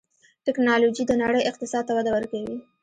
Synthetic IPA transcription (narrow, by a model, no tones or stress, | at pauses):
ʈɪknɑlod͡ʒid̪ənaɽəjɪq̚t̪ɪsɑd̪̚t̪awad̪awəɾkawi